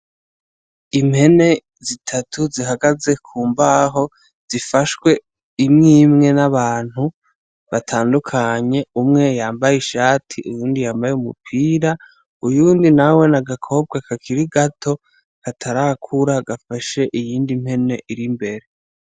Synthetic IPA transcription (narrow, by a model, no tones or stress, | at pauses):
imhe̞ne̞ | zitʰatʰuziɦaɡaze̞kʰuːmbaɦo̞ | z̥ifaʃwe̞ | imŋiːmŋe̞naβaːn̥hu | βatʰaːndukʰaɲe̞umŋe̞jaːmbajeʃaːtʰiʔujuːndijaːmbajeumṵpʰiːɾa | ujuːndinawe̞naɡakʰo̞ːb̚ɡakʰakʰiɾiɡatʰo̞ | katʰaɾakʰuɾaɡafaʃe̞ʔijiːndimhe̞ne̞ʔiɾimbe̞ɾe